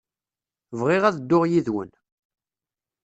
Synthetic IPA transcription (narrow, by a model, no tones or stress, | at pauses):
vʁɪʁæðəd̪ːʊʁjiðwə̰n